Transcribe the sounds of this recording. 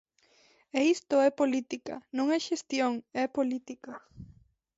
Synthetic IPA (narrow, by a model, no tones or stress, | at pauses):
eist̪oepolit̪ika̰nõŋeʃest̪joŋepolit̪ika